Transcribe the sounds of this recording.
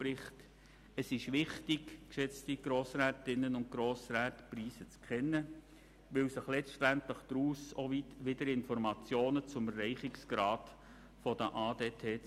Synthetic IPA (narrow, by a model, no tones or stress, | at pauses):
pɾɪχt | əsɪʃʋɪχtɪɡkʃɛt͡stiɡ̥ɾoːsɾɛːtɪnːənʊnt̚ɡ̥ɾoːsɾɛːtpriːsət͡skχɛnːə | ʋɪwsɪχlɛstæntləχd̥̪ɾuːsoʋitʋɪdəɾɪnfɔɾmɑt͡sjoːnət͡sʊməɾɛɪχɪksɡ̥ɾɑːt | fɔd̥əʔɑːdeːtʰeː